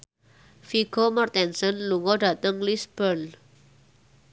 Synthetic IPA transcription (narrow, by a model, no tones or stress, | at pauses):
fiɡ̥ɔmart̪ɛnsɔnluŋɔdä̤t̪əŋlisb̥ən